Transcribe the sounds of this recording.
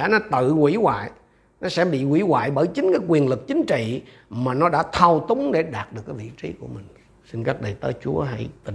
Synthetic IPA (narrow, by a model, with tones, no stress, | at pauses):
aː˧˥nɔ˨˦t̪ɨ̰˧˨wḭ˧˥wa̰ː˧˨j | nɔ˨˦sɛ̰˧˥ɓḭ˧˨kwḭ˧˩wa̰ː˧˨jɓəː˧˩jt͡ɕï˨˦ŋ̟kaː˨˦jkwi˨˩ənlɨ˨˩k̚t͡ɕï˨˦ŋ̟t͡ɕḭ˧˨ | maː˨˩nɔ˨˦ɗa̰ː˧˥t̪ʰa˧wt̪ʊ˨˦ŋ͡mɗe˧˩ɗaː˨˩t̚ɗɨ˨˩əkːvḭ˧˨t͡ɕi˨˦ku˧˩əmï˨˩ŋ̟ | si˧nkaː˦˥k̚ɗə˨˩jt̪əː˨˦jt͡ɕu˨˦əɦa̰˧˥jt̪i˨˩